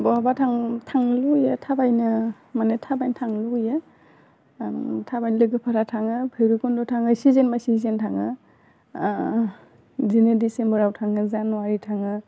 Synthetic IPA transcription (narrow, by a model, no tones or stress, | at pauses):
bɔabatʰaŋtʰaŋlujatʰabajnɯ | manetʰabajntʰaŋlujɯ | tʰabajnlɯɡɯpʰaɾatʰaŋɯpʰɯjɾukɔndɔtʰaŋɯsizenmasizentʰaŋɯ | zinedisembəɾawtʰaŋɯzanwaɾitʰaŋɯ